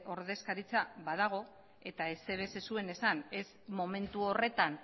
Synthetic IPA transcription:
o̞ɾðe̞skaɾit͡saβaðaɣ̞o̞ | e̞t̪aese̞βe̞se̞sue̞ne̞sane̞z | mo̞me̞nt̪uo̞re̞t̪an

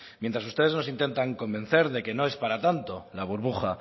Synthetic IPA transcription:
mje̞nt̪ɾasust̪e̞ð̞e̞zno̞sint̪e̞nt̪aŋko̞mbẽ̞nθe̞ɾðe̞ke̞no̞e̞spaɾat̪ant̪o̞laβ̞uɾβuxa

